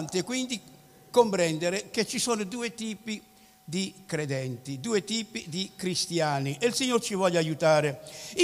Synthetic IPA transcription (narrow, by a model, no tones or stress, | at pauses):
nt̪ekwind̪i | kompɾɛnd̪eɾeket͡ʃːisoːnod̪uːet̪iːpi | d̪ikɾed̪ɛnt̪id̪uːet̪iːpid̪ikɾist̪jaːniʔelsiɲːort͡ʃivɔʎːajut̪aːɾei